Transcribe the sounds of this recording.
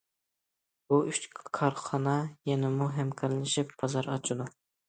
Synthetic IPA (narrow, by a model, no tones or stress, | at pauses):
buyt͡ʃkʰɑɾχɑnɑjɛnɪmuɦɛmkʰɑɾlɪʃɪpbɑzɑɾɑt͡ʃʰud̪u